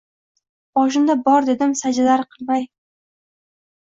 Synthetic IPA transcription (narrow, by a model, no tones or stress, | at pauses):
bɒʃ̬ɪnd̪abɒɾd̪e̞d̪ɪmsad͡ʒalaɾqʰɨlˠmaj